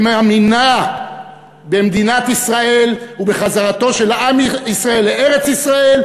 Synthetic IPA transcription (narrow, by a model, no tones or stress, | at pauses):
meamina | be̞md̪inat̪isʁae̞lubeχazaʁat̪o̞ʃe̞laamisʁae̞lːeeʁet͡sisʁae̞l